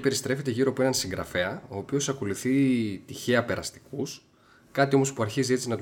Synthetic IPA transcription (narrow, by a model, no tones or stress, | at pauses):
pe̞ɾist̪ɾe̞fe̞t̪e̞ʝiɾopuenɐnsiŋɡɾɐ̰fe̞ɐo̞ːpio̞sɐko̞luθit̪içe̞ɐpe̞ɾɐst̪i̥kus | kɐt̪io̞mo̞spuɐɾçizie̞t͡sinɐt̪